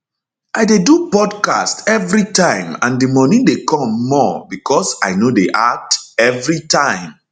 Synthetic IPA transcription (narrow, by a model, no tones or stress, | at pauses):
ʔaɪdedupɔdka̰stɛvɹitãɪ̃mã̰ndimɔnĩndekʰɔ̃mːɔbikʰɔsaɪnodeʔatɛvɹitãɪ̃m